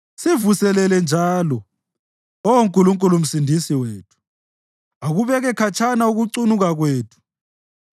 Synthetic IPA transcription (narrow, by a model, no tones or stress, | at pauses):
sivusɛlɛlɛnd͡ʒʱaːlɔ | owoŋkʼuluŋkʼulum̩sindʱisiweːtʰu̥ | aɣuβɛɣɛkʰat͡ʃʰanauɣuǀunuɣaɣweːtʰu̥